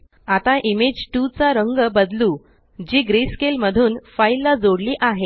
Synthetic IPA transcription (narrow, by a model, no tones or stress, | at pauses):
at̪aʔimed͡ʑʈut͡saɾəŋɡəbəd̪lu | d͡ʑiːɡɾiskelməd̪ʱuːnfailːad͡zoɽliːʔaɦe